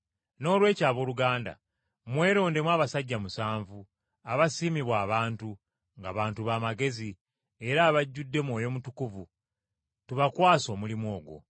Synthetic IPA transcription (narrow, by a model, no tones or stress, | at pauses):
no̞ːlwe̞ːcaːβo̞luɡaːnda̰ | mwe̞ːɾo̞ːnde̞mwaːβasaɟːamusaːɱvu | aβasiːmiβwaːβaːntu | ŋɡa̰βaːntuβaːmaɡe̞zi | e̞ɾaːβaɟːudːe̞mwo̞ːjo̞mutukuvu | tuβakwaːso̞ːmulimwo̞ːɡwo̞̰